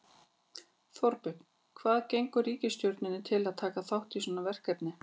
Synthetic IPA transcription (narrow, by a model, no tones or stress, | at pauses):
θɔɾpʏn | kʰvaːðcejŋkʏriːcɪst̪jowɾt̪nɪnːɪt̪ʰɪlaðt̪ʰaːkaθawht̪isɔːnavɛr̥kɛp̪nɪ